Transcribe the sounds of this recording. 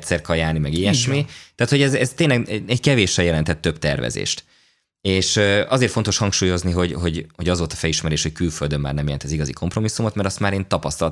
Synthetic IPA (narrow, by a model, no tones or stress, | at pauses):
t̪sɛrkɒjaːlnimɛɡijɛʃmit̪aːt̪hoɛzɛzt̪eːnlɛɡɛckɛveːʃɛjɛlɛnt̪ɛt̪ːø̞bt̪ɛ̰rvɛ̰zḛːʃt̪ | eːʃøʔɒzeːrt̪fot̪o̞ʃhɒŋkʃuːjo̞zniɦo̞ɟɦo̞ɟho̞ɟɒzʋo̞lt̪ɒ̥fɛliʃmɛɾeːʃho̞ckylføld̪ømːa̰ːrnɛmjɛlɛnt̪ɛziɡɒzikʰo̞mpro̞misːumot̪mɛɾɒst̪maːɾeːnt̪ɒpɒst̪ɒl